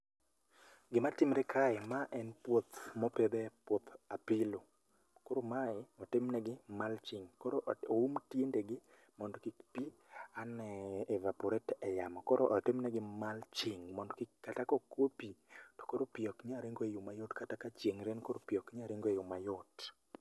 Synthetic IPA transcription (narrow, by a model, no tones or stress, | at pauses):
ɡɪmatɪmɾekʰaɪmaʔɛnpwot̪mɔped̪ɛpwot̪apɪlo | koɾomaɪɔtɪmnɛɡɪmalt͡ʃɪŋkɔɾoʔoumtjendeɡɪ | mɔndɔkikpianɛːvapɔɾɛtɛjamɔkɔɾoʔɔtɪmnɛɡɪmalt͡ʃɪŋmɔndɔkɪkːatakokwopitɔ̥koɾopiɔkɲaɾeŋɡoejomajotkatakat͡ʃjeŋɾenkoɾopiɔkɲaɾeŋɡoejomajot